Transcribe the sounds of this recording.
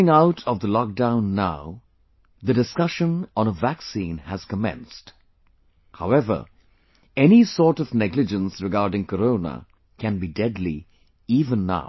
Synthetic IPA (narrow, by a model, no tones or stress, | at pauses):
ɪ̃ŋaʊtʰɔvd̪əlɔk̚dãʊ̃nːaʊ | ðədɨskʌʃə̃nə̃nəvæksĩːnhæz̥kəmɛ̰̃nst | haʊɛvə̰˞ | ɛnisɔːɹtʌvnɛɡlɨd͡ʒə̃nsɾɨɡaːɾɖɪ̃ŋkəɾõʊnə̰ | kʰæ̃nbidɛdlḭ | ivə̃nːa̰ʊ